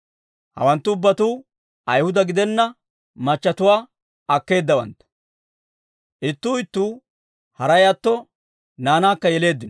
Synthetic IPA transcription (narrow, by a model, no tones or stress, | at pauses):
hɐ̰wɐnt̪ːʊʊbːɐt̪uː | ʔɐjhʊd̪ɐɡɪd̪ɛnːɐ | mɐt͡ʃːɐt̪ʊwaː | ɐkːe̞ːd̪ːɐwɐ̰nt̪ɐ̥ | ʔɪt̪ːuːɪt̪ːuː | hɐɾɐjat̪ːɔ | naːnaːkːɐjɛle̞ːd̪ːɪnɔ